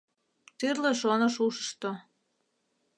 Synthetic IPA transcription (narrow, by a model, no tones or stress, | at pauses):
t̪yrleʃonoʃuʃə̥ʃt̪o